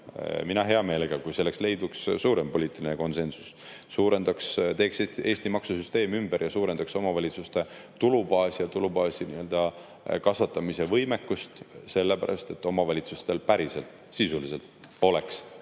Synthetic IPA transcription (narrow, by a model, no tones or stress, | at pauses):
minɑɦe̞ɑme̞ːleɡ̥ɑkujselːe̞ksle̞jd̪ukssuːɾempo̞lʲiːt̪ːˑilineko̞nse̞nsu̥sː | uːɾe̞nd̪ɑkst̪e̞ːksee̞ːsʲt̪imɑksusyst̪e̞ːmymb̥eɾjɑsuːɾe̞nd̪̥ɑkso̞mɑvɑlʲit̪sust̪e̞t̪ulubɑːsjɑt̪ulubɑːsiniøld̪̥ɑ | kɑsvʋɑt̪ːˑɑmise̞vɤjme̞kːust̪se̞lːepæɾʔɑ̰st̪e̞t̪ːˑo̞mɑvɑlʲit̪sust̪e̞lpæɾise̞lt̪ | sisulise̞lt̪ˑ | o̞le̞ks